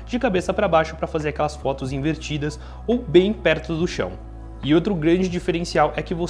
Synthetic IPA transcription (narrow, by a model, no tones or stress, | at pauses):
d͡ʒɪkabesɐpɾɐbajʃʊpɾɐfazeɾakɛlɐsfɔt̪ʊzĩveɾt͡ʃid̪ɐs | owbẽj̃pɛɾt̪ʊd̪ʊʃɐ̰̃w̃ | ɪot̪ɾʊɡɾɐ̃d͡ʒɪd͡ʒifeɾẽsiawʔɛkɪvo